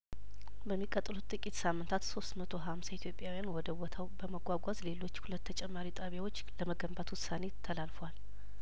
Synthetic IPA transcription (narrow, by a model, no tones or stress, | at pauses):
bəmːikʼət̪ʼlut̪ʼɨkʼit̪samːɨnt̪ʰat̪so̞st̪mət̪ʰoɦamsait̪ʰjo̞pʼjawijanwɔd̪əwot̪ʰawbəməɡʷaɡʷazle̞lo̞t͡ʃːhulət̪ːʰət͡ʃʼɛmːaɾit̪ʼaβjawo̞t͡ʃːləməɡəmbat̪wʊsːane̞t̪ʰːəlalfəwal